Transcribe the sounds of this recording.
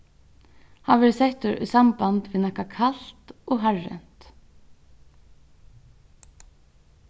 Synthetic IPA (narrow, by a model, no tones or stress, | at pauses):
haːʋɛːɾsɛht̪ʊɾʏ̰sambant̪ʋɪːðnahkakʰalt̪ɔɣɦaɹːɛ̰n̥t̪